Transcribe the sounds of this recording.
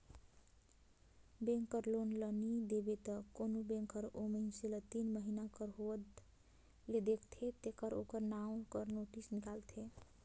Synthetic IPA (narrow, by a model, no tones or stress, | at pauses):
bẽŋkəɾlonlənid̪ebet̪əkonobẽŋkəɾominselət̪inməɦinakəɾɦod̪ | led̪ekʰt̪ʰet̪ekəɾokəɾnaũkəɾnoʈisnikalt̪ʰe